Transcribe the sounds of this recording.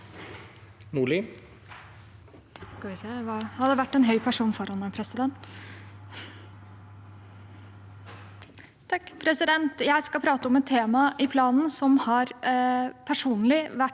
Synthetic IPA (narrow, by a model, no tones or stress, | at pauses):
nuɭɪ | skɑʋɪseːʋɑːhɑd̪ɛʋæʈːɛnɦœʏpʰæʂuːnfɔɾhɔnːəpʰɾɛsɪd̪ɛnt̪ | t̪ʰɑkːpʰɾɛsɪd̪ɛnt̪jæɪskɑpʰɾɑːt̪əɔmɛt̪ʰːeːmɑʔɪpʰlɑːnn̩sɔmhɑɾ | pʰæʂuːnlɪʋæʈ